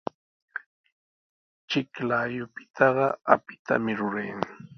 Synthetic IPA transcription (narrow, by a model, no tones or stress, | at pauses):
t͡ʃɪklaːjʊpɪ̥t̪ʰɑɢɑapɪ̥t̪a̰mɪɾʊɾajaŋ